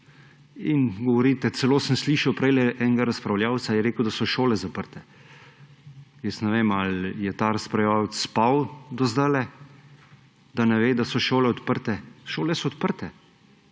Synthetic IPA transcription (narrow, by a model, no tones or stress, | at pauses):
inɡɔʋɔɾiːt̪ɛt̪sɛloːsəmsliːʃɐwpɾɛjlɛʔɛːŋɡaɾaspɾawljaːwt̪sajɛɾeːkəwd̪asɔʃoːlɛzapəɾt̪ɛ | jəsnɛʋeːmaljɛt̪aːɾɐspɾɛjawspawd̪ɔzd̪əlɛ | d̪anɛʋeːd̪asɔʃoːlɛɔt̪pəɾt̪ɛʃoːlɛsɔːt̪̚pəɾt̪ɛ